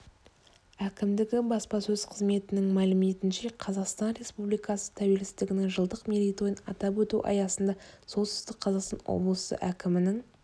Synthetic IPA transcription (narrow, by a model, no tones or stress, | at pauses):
ækʲɪmd̪ɪɡʲɪbɑspɑsɵz̥qʰəzme̞t̪ɪnɪŋmælɪme̞t̪ɪnʃe̞qʰɑzɑqst̪ɑnɾe̞spublijkɑsə̥t̪ʰæwe̞lsɪ̥t̪ɪɡʲɪnɪŋʒəlˠd̪əqmʲilijt̪ojənɑ̰t̪ɑp̬wɵt̪uʔɑ̰jɑsənd̪ɑso̞t̪sɪ̥zt̪ɪk̚qʰːɑzɑqst̪ɑ̰nwo̰blˠəsə̰ʔækʲɪmɪnɪŋ